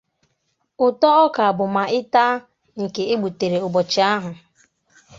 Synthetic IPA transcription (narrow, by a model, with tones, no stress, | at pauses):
ʊ˨tɔ˦ɔ˦ka˨a˨bʊ˨ma˨ʔɪ˦ta˦ | ŋ̩˨ke˨e˦ɡ͡bu˨te˨ɾe˨ʊ˨bɔ˨t͡ʃɪ˨a˦ɦʊ˨